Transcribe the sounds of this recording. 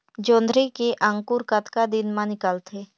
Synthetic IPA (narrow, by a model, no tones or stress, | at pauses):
d͡ʒõːnd̪ɾekeʔə̃ŋkuɾkət̪kad̪ɪnmãnɪkəlt̪ʰeː